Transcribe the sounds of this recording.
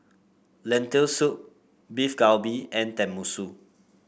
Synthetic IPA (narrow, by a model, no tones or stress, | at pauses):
lɛ̃ntəlsut̚ | bifɡawbiɛ̃ntɛ̃mːusu